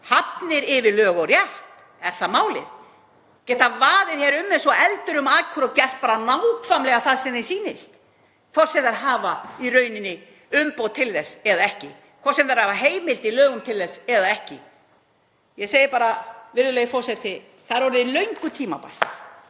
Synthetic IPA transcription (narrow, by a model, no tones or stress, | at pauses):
hapnɪɾɪvɪlœːɣɔrjɛhp | ɛɾ̥θaðmaːwlɪ̰ð | cɛːht̪avaːðɪðçɛɾʏmːɛsɔɛlt̪ʏɾʏmaːkʰvʏɾɔcɛr̥t̪̚paːɾanawkfamlɛɣaθaðsɛmθɛ̥siːnɪst̪ | kʰvɔr̥sɛmðaɾɦaːvairœɥnɪnːɪ | ʏmpowt̪ʰɪlθɛsːɛðaɛhcɪ | kʰɔr̥sɛmðaɾhaːvaɦeːjmɪlt̪ɪlœːɣʏmt̪ʰɪlθɛsːɛðaɛhcɪ | jɛseːjɪɾpaːɾavɪɾðʏlɛɣɪfɔrsɛt̪ɪ | θaðɛɾvɔɾɪðilœɥŋkʏt̪ʰiːma̰pa̰l̥t̪